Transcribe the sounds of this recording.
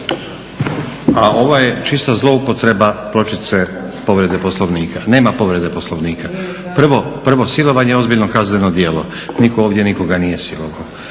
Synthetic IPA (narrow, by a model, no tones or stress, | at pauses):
aʔo̞ʋoje̞t͡ʃist̪azlˠo̞upo̞t̪ɾe̞baplˠo̞t͡ʃit̪se̞ | po̞ʋɾe̞d̪e̞poslˠoʋniːkʰane̞ːmapo̞ʋɾe̞d̪e̞po̞slˠoʋniːkʰa | pr̩ʋopr̩ʋo̞silˠo̞ʋaɲejo̞zbiʎno̞kaznenod̪jelo̞ | nikooːʋd̪je̞niko̞ɡanije̞siloʋao